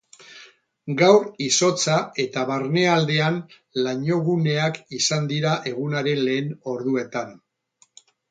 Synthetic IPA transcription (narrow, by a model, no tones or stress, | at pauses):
ɡawriso̞t͡sae̞t̪aβaɾne̞ald̪e̞an | laɲo̞ɣ̞une̞akisand̪iɾaʔe̞ɣ̞unaɾe̞nle̞ːno̞ɾðue̞t̪an